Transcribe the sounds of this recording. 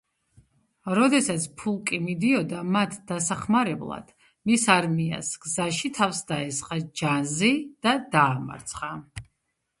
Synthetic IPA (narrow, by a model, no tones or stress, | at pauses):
ɾɔd̪ɛsat̪sʰpʰulˠkʼimid̪iɔd̪amat̪ʰd̪̥asaχmaɾɛblˠa̰d̪̥ | misaɾmia̰sɡ̥zaʃit̪ʰafsd̪aɛsqʼad͡ʒanzid̪̥ad̪aːma̰ɾt̪sʰχa